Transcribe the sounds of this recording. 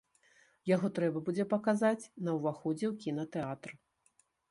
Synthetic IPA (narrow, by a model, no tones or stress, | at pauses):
jaɣɔt̪ɾɛbɐbud͡zʲɛpɐkazat͡sʲnɐwvaxɔd͡zʲɛwkʲinɐt̪ɛat̪r